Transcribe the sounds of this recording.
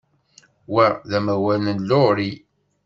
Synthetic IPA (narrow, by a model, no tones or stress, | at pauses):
wæðæmæwælnənloɾi